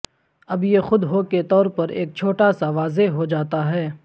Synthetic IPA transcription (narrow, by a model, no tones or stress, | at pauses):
ɐbjexʊd̪ɦoːket̪ɔːɾpɐɾḛːk̚t͡ʃʰoːʈasaʋaːzeɦod͡ʒaːt̪aɦɛː